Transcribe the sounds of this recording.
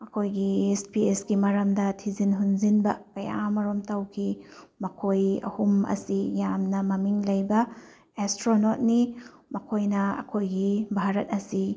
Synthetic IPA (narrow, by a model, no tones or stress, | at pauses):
ɐkʰojɡiespiesɡimɐɾɐmdɐtʰizinɦunzinbɐkɐja̰mɐɾomtɐwkʰimɐkʰojɐ̰humɐ̰sijamnɐmɐmiŋlɐjbɐ | estɾonot̚nimɐkʰojnɐɐ̰kʰojɡibʱaɾɐt̚ɐsi